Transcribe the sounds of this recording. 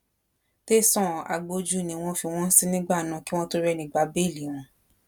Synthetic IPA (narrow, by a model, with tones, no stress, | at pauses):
te˦sɔ̃˦˨a̰˨ɡ͡bo˧d͡ʒu˦nĩ˧˦˧w̃ɔ̃˧fi˧w̃ɔ̃˦n̩˦si˦nĩ˦ɡ͡ba˦˨nã˨˧˦ki˦w̃ɔ̃˦to˦ɾɛ˧˨nĩ˧ɡ͡ba˧˦be˦˨li˨˦˨w̃ɔ̃˨˧˦